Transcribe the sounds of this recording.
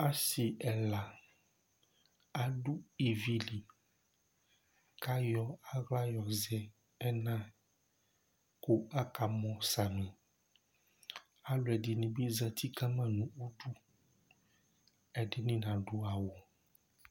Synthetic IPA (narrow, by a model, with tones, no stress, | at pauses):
a˦si˨ʔɛ˨la˨ | a˨ɖu˦i˨vi˦li˨ | ka˦jɔ˦a˦ɣla˦jɔ˨zɛ˦ | ɛ˦nã˦ | ku˦a˦ka˨mɔ̃˨sa˨mĩ˨ | a˦lo˨ɛ˨di˨nĩ˨be˦zɛ˨t̪ʰi˦ka˦mã˦nũ˨o˦ɖu˦ | ɛ˨ɖe˦nĩ˦nã˨ɖu˦a˨wo˨